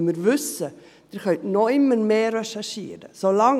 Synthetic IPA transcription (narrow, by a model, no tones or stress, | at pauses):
mɪɾvʏsə | d̥ɪɾχœtnɔɪmːəɾmeːɾɛʃaʃḭːɾə̰solɑŋ